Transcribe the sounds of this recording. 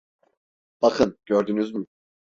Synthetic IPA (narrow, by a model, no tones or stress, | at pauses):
b̥akʰɯnɟ̥øɾd̪ynyzmy